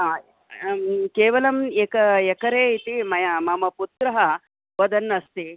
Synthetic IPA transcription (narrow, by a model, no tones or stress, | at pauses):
a | keːʋɐlɐmekɐekɐɾeːit̪imɐjɐmɐmɐput̪ɾɐɦɐ | ʋɐd̪ɐnːɐst̪i